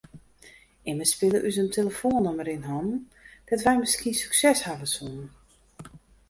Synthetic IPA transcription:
ɪməspɪlˠəʔysəntʰeləfoːnəməɾɪnɦɔnn | d̥ɔtʋɛjməskiəsyksɛshavəsunən

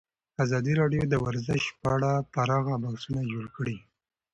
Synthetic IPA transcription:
azɑd̪iɾɑɖjod̪əwaɾzɪʃpəaɽapaɾɑɣabahsunad͡ʒoɽkəɽi

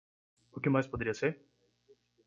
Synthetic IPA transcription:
ʊkɪmajspod̪eɾiɐseɾ

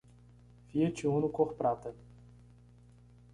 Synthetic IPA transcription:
viet͡ʃiũnʊkoχpɾat̪ɐ

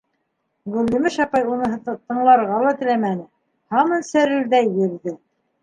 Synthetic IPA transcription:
ɡʉlːɘ̆mɘʃɑpɑjunɤ̆ɦɤt̪ɤ̆ɴlˠɑɾʁɑlˠɑt̪ɘ̆læmænɘ | hɑmɤnsæɾɘɾðæjjɵ̆ɾðɘ

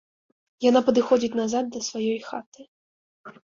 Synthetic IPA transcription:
janapɐd̪ɨxɔd͡zʲit͡sʲnazad̪̚d̪ɐsvajɔjxat̪ɨ

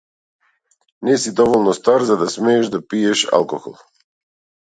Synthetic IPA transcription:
nɛsid̪ɔvɔlˠnɔst̪aɾzad̪asmɛːʒd̪apiɛʃa̰lˠkɔxɔ̰lˠ

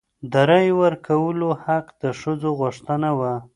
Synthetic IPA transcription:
d̪aɾajwəɾkʰawəlohaqd̪əʂəd͡zoɣʊʂt̪ənawa

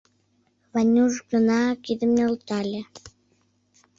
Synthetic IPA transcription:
βɑnʲuʒɡə̆nɑkid̪ə̆mnʲeolt̪ɑlʲĕ

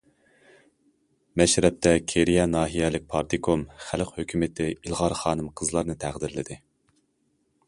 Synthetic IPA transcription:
mɛʃɾɛp̚t̪ʰɛkʲʰeɾijɛnɑːɦijɛlɪk̚ʲpʰɑɾt̪ʰɨkʰomχælqhøkʲʰymɪt̪ʰɪilˠʁɑɾχɑːnɨmqʰəzlˠɑɾnɨt̪ʰæʁd̪ɪɾlɪd̪ɪ

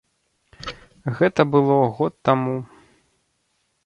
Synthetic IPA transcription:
ɣɛt̪ɐbɨlˠɔɣɔt̪ːamu

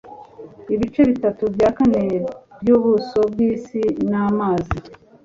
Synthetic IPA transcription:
iβit͡ʃe̞βitatubjaːkane̞bjuːβuso̞bɡiːsinamaːzi

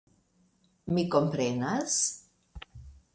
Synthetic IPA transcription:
mikompɾenas

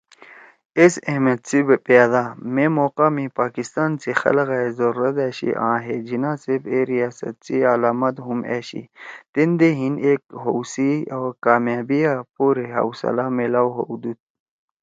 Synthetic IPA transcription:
esemet̪t͡sibepjaːd̪amemoːqaːmipaːkist̪aːnt͡sexɐ̰lɣazɐɾuɾɐt̪eːɕḭʔã̰ːɦed͡ʑinaːsebeɾijaːsɐ̰t̪̚t͡sialaːmɐt̪ɦumḛːɕḭt̪end̪eɦinekɦowsiaːkaːmjaːbiapuːɾeɦa̰wsɐ̰laːmelaːwɦod̪ut̪̚

